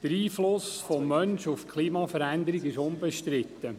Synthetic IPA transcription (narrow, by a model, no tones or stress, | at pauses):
d̥əɾiːflʊsfɔmːœnʃufkʰliːmɑːfəɾænd̪əɾiɡɪʃʊnbɛʃtɾɪt̪ːə